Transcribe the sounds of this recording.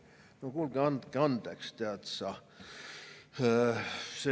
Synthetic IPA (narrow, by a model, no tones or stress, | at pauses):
nokulɡeɑnd̪keɑnd̪̥ekst̪eɑt̪sɑ | se